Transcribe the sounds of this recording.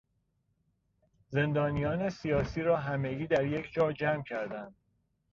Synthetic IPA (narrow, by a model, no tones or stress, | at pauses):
ze̞nd̪ɒːnijɒːne̞sijɒːsiːɾɒːɦæme̞ɡiːd̪æɾje̞cʰd͡ʒɒːɾd͡ʒæmcʰæɾd̪ænd̪̥̚